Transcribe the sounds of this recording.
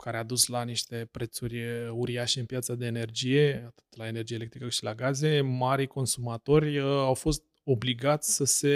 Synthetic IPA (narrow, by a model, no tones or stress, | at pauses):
kʰaɾead̪uslaniʃt̪e̞pɾe̞t̪surʲuɾiaʃeɨnpjat̪sad̪e̞ːne̞rd͡ʒije̞at̪ɨ̥t̪laene̞rd͡ʒijele̞kt̪ɾikəʃilaɡaze̞maɾijko̞nsumat̪o̞rʲawfo̞st̪̚ | o̞bliɡat̪sʲsəse̞